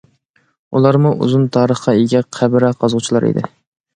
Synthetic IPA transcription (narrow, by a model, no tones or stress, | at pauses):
ulˠɑɾmuʔṵzunt̪ʰɑːɾəχqɑeɡʲɛqʰæbɪɾɛqʰɑzʁʊt͡ʃʰilˠɑɾḭd̪ɪ̰